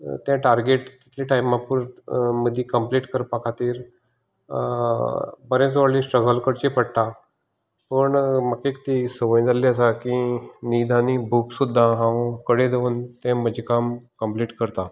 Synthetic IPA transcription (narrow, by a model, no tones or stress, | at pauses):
t̪jãʈaɾɡeʈt̪i̥t̪ʰliʈajmapuɾməd̪ʱːĩkəmpliʈkəɾpakʰat̪iːɾ | pəɾẽt͡sʋəɽlisʈɾəɡəlkəɾt͡ɕepəɽt̪a | pəɳməkekt̪isəʋəj̃d͡zaliəsakĩnid̪ʱanibʱuksud̪ʱːaɦãʋũkəɽed̪ʱeunt̪ɛ̃məd͡ʑʱikamkəmpliːʈkəɾt̪a